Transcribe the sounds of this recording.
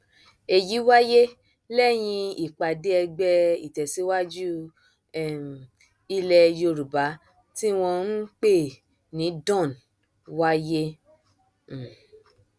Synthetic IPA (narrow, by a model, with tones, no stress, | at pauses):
e˨ji˨˦wa˦je˦ | lɛ˦˨j̃ĩ˧i˨k͡pa˨de˦ɛ˧ɡ͡bɛ˧i˨tɛ˨si˨˦wa˦d͡ʒu˦˨ | i˧lɛ˧jo˧ɾu˨ba˨˦ | ti˦w̃ɔ̃˧n̩˦k͡pe˦˨ | nĩ˨˦dɔ̃˦˨n | wa˦je˦˨